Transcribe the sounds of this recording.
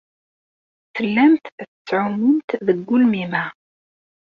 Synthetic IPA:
θəlːæmt̪θət͡sːʕʊmːʊnt̪ðəɡːʊlmimæ

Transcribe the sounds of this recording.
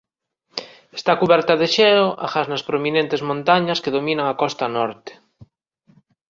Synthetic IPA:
est̪akuβɛɾt̪ɐðeʃɛloʔa̰xaznaspɾominẽnt̪ezmõnt̪aɲaskeðomĩnaŋakɔst̪ɐnɔɾt̪e̥

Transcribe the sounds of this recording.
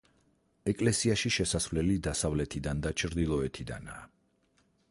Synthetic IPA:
ɛkʼlɛsiaʃiʃɛsasvlɛlid̪asavlɛt̪ʰid̪and̪at͡ʃʰɾd̪ilˠɔɛt̪ʰid̪a̰na̰ː

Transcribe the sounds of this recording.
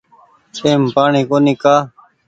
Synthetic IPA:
seːmpaːɳiːkoːnĩːkaː

